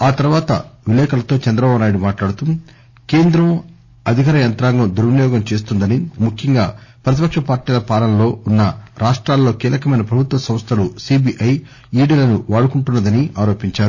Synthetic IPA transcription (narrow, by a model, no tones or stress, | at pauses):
aːt̪ɐɾuʋaːt̪ɐ̰ʋilɛːkɐlɐt̪o̞ːt͡ʃɐnd̪ɾɐbaːbunaːjɽumaːʈlaːɽut̪um | ke̞ːnd̪ɾɐm | ɐd̪ʱikɐɾɐjɐnt̪ɾaːŋɡɐmd̪uɾʋunjɔːɡɐmt͡ʃe̞ːs̬t̪und̪ɐnimukʰːjɐŋɡaːpɾɐt̪̬ipɐkʂɐpaːɾʈiːlɐpaːlɐnlo̞ːunːɐɾaːʂʈɾaːlːoːkiːlɐkɐmɐjnɐpɾɐbʱut̪ʋɐsɐmst̪ʰɐlusiːbiʔɐj | iːɽiːlɐnuʋaːɽukuɳʈunːɐd̪ɐniaːɾo̞ːpiɲt͡ʃaːɾu